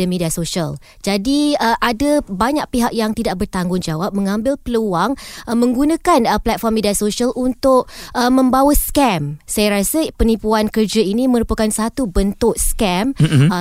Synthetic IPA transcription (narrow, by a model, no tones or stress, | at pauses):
əmediasoʃəl | d͡ʒadiəʔadabaɲaʔ̚piɦak̚jaŋt̪idaʔbərt̪aŋɡʊŋd͡ʒawap̚mə̃ŋãmbɪlpəluaŋʔəmə̃ŋɡunãkanəplɛt̪̚fɔrmediasoʃialʔunt̪ʊʔ̚ʔəmə̃mbawaskɛmsajaɾasapənipuankərd͡ʒainĩmə̃ɾupakansat̪ubənt̪ʊʔskɛm